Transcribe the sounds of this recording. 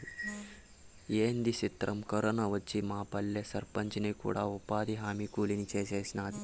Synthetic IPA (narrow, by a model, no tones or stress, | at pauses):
jeːnd̪isit̪ɾɐmkɐɾɐnɐʋɐt͡ʃːimaːpɐlːesɐɾpɐɲt͡ʃnɐjkṵːɽaːupaːd̪iɦaːmikuːlinit͡ʃeːseːsnaːd̪i